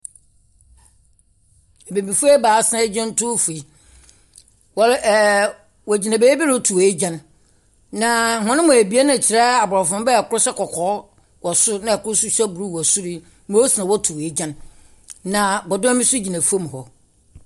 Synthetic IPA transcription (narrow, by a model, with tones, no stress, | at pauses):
ɛ˨bẽ˨bi˨fu˦ɛ˦baː˨˦sã˦d͡ʑã˦n̩˦tʰʊ˦fu˨i˦ | wɔ˨˦˨ | wɔ˨d͡ʑi˨nã˨beː˦bi˦ɾo˦tʰu˨e˨e˦d͡ʑã˦nː | ã˨hʊ̃˦nʊ̃˦mʊ̃˨æ˨bi˦a˦nã˨t͡ɕʰɪ˨ɾɛ˦a˨bɔ˨ɾɔ˨fʊ̃˦m˦bɛ˦˨kʊ˦ɾʊ˦sɛ˦kʰɔ˨kʰɔː˨˦ | wɔ˨sʊ˦nã˦ɛ˨kʰʊ˦ɾʊ˦su˦ɕᶣɛ˦bu˨ɾu˦˨wɔ˨sʊ˦ɾi˦ | mõ˦sɪ˨nã˨wɔ˦tʰu˨a˨e˦d͡ʑã˦nː | ã˨bɔ˨dɔ˦mɪ̃˦sʊ˦d͡ʑi˨nã˨fu˦o˦m̃˨hɔ˨